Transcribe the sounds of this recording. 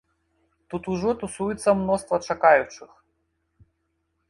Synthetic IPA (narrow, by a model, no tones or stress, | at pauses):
t̪ut̪uʐɔt̪usujɛt̪sːɐmnɔst̪vɐt͡ʂakajut͡ʂɨx